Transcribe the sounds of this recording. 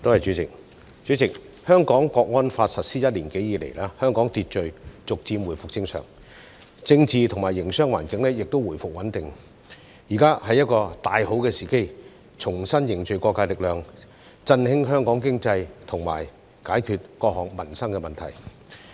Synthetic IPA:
t̪o˥whɐ˨jt͡ʃyː˨˥t͡sɪ˨k̚ | t͡ʃyː˨˥t͡sɪ˨k̚ | hœː˥ŋkɔː˨˥ŋkɔː˧k̚ŋɔː˥nfaː˧t̚sɐ˨t̚siː˥jɐ˥t̚liː˨˩nke˨˥jiː˨˧lḛ˨˩jlaː˥hœː˥ŋkɔː˨˥ŋt̪iː˧t̚t͡ʃɵ˨˧ɥt͡sʊ˨k̚t͡siː˧mwuː˨˩jfʊ˨k̚t͡sɪ˧ŋsœ̰ː˨˩ŋ | t͡sɪ˧ŋt͡siː˨˧t̪ʰʊ˨˩ŋmaː˨˩jɪ˨˩ŋsœː˥ŋwaː˨˩nkɪ˨˥ŋlɛː˥jɪ˨k̚t̪o˥wuː˨˩jfʊ˨k̚wɐ˨˥nt̪ɪ˨ŋ | jiː˨˩kaː˥hɐ˨jɐ˥t̚kɔː˧t̪aː˧jho˨˥wkɛː˧siː˨ke˥j | t͡ʃʰʊ˨˩ŋsɐ˥njɪ˨ŋt͡ʃɵ˨ɥkɔː˧kːaː˧jlɪ˨k̚lœː˨ŋ | t͡sɐ˧nhɪ˥ŋɦœː˥ŋkɔː˨˥ŋkɪ˥ŋt͡sɐ˧jt̪ʰʊ˨˩ŋma̰ː˨˩j | kaː˨˥jkʰyː˨˧t̚kɔː˧k̚hɔː˨ŋ̚mɐ˨˩nsɐ˥ŋkɛ˧mɐ˨nt̪ʰɐ˨˩j

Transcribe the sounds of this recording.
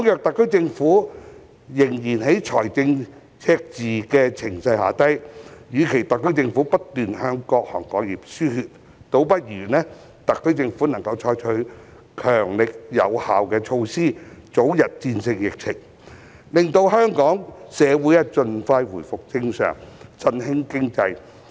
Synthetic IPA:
ʊ˥ŋjœː˨k̚t̪ɐ˨kːɵ˥ɥt͡sɪ˧ŋfuː˨˥ | jɪ˨˩ŋjiː˨˩nɦe˨˥jt͡ʃʰɔː˨˩jt͡sɪ˧ŋ | t͡sʰɛː˧k̚t͡siː˨kɛː˧t͡sʰɪ˨˩ŋsɐ˧jha̰ː˨˥t̪ɐ˥jjyː˨˧kʰe˨˩jt̪ɐ˨kːɵ˥ɥt͡sɪ˧ŋfuː˨˥pɐ˥t̚t̪yː˨nhœː˧ŋkɔː˧k̚hɔ̰ː˨˩ŋkɔː˨˧ŋjiː˨p̚syː˥hyː˧t̚ | t̪o˧˥wpɐ˥t̚jyː˨˩nɛː˥ | t̪ɐ˨kːɵ˥ɥt͡sɪ˧ŋfuː˨˥nɐ˨˩ŋkɐ˧wt͡ʃʰɔː˧jt͡ʃʰɵ˨˥ | kʰœː˨˩ŋlɪ˨k̚jɐ̰˨˧whaː˨wkɛː˧t͡ʃʰo˧wsiː˥t͡so˨˥wjɐ˨t̚t͡siː˧nsɪ˧ŋjɪ˨˩k̚t͡sʰɪ˨˩ŋ | lɪ˨ŋt̪o˧wɦœː˥ŋkɔː˨˥ŋsɛː˨˧wu˨˥jɛ˧t͡sɵ˧nfaː˧jwuː˨˩jfʊ˨k̚t͡sɪ˧ŋsœ̰ː˨˩ŋt͡sɐ˧nhɪ˥ŋkɪ˥ŋt͡sɐ˧j

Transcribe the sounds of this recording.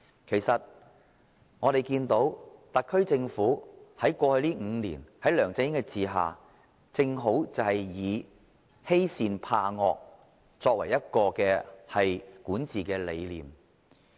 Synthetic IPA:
kʰe˨˩jsɐ˨t̚ | ŋɔː˨˧d̪e˨jkiː˧nt̪o˨˥wt̪ɐ˨t̚kʰːɵ˥ɥt͡sɪ˧ŋfuː˨˥hɐ˨˥jkʷɔː˧hɵ˧ɥliː˥ŋ̩ː˨˧nḭː˨˩nhɐ˨˥jlœː˨˩ŋt͡sɪ˧˥ŋjɪ˥ŋkɛ˧t͡siː˨˩ɦa̰ː˨ | t͡sɪ˧ŋɦo˨˥wt͡sɐ˨whɐ˨jjiː˨˧ | he˥jsiː˧npʰaː˧ŋɔ̰ː˧k̚ | t͡sɔː˧k̚wɐ̰˨˩jɐ˥t̚kɔː˧kɛː˧hɐ˨jkuː˨˥nt͡siː˨kɛː˧le˨˧jliː˨˩m

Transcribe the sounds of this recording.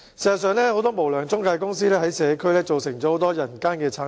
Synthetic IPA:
szɐ˨tsœː˨˧ŋlɛː˥ho˧˥wt̪ɔː˥mo˨˩wlœː˨˩ŋt͡sʊ˥ŋkaː˧jkʊ˥ŋs̬iː˥lɛː˥hɐ˨˥jsɛː˨˧kʰɵ˥ɥlɛː˥t͡so˨wsɪ˨˩ŋt͡ɕɔː˨˥ho˨˥wt̪ɔː˥jɐ˨˩nkaː˥nkɛː˧t͡sʰaː˨˥

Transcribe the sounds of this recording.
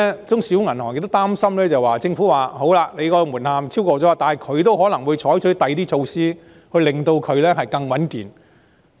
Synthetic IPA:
t͡sʊ˥ŋsiː˨˥wŋɐ˨˩nhɔː˨˩ŋjɪ˧k̚t̪ʊ˥t̪aː˥msɐ˥mlɛː˥t͡sɐ˨˩waː˨˩t͡sɪ˧ŋfu˨˥waː˨ho˨˥wlaː˧ne˨˧jkɔː˧muː˨˩nhaː˨˧mt͡sʰiː˥wkɔː˧t͡sɔː˨˥˧t̪aː˨nhɐ˨˩jkʰɵ˨˧ɥt̪o˥wɦɔː˨˥nɐ˨˩ŋwu˨˧jt͡ʃʰɔː˨˥jt͡ʃʰɵ˨˥t̪ɐ˨˧jt̪iː˥t͡ʃʰo˧wsiː˥ | hɵ˧ɥlɪ˨ŋt̪o˧wkʰɵ˨˧ɥlɛː˥ɦɐ˨jkɐ˧ŋwɐ˨˥nkiː˨n

